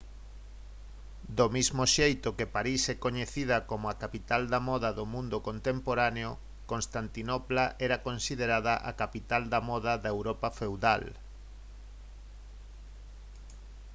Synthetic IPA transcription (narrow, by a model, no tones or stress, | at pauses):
d̪omizmoʃejt̪okepaɾisɛkoɲeθið̞ɐkomʊakapit̪ald̪amɔðaðomũnd̪okont̪empoɾaneo | konst̪ant̪inɔplaʔɛɾakonsið̞eɾaðaʔa̰kapit̪ald̪amɔðaðaewɾɔpafewða̰l